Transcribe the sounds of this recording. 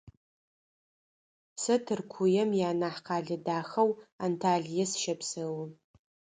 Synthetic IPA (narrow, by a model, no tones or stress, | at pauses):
sɐtʰɨrkʷʰʊjɐmjaːnaħqʰaːɮɨdaːxɐwantʰaːɮijɐsʃɐpʰsɐw